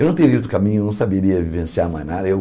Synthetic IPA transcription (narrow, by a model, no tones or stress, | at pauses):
ewnɐ̃w̃t̪eɾiot̪ɾkamĩɲʊenɐ̃w̃sabeɾiɐvivẽsiamajnad̪ɐew